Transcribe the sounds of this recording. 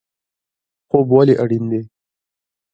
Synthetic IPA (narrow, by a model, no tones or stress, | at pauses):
xobwaleʔaɽind̪e